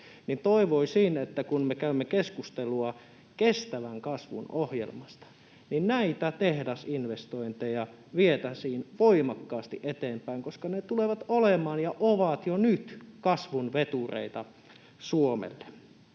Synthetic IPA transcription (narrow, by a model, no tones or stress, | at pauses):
nint̪oiʋoisiːnet̪ːækunmekæymːekeskust̪eluɑ | kest̪æʋæŋkɑsʋṵnohjḛlmɑst̪ɑ̥ | ninnæit̪æt̪ehdæsinʋest̪oint̪ejɑ | ʋiet̪æsiːnʋoimɑkːɑːst̪iʔet̪eːmpæiŋkoskɑnet̪uleʋɑt̪olemɑːnjɑʔoʋɑt̪jonyt̪kɑsʋunʋet̪urḛit̪ɑ | suomḛlːe̥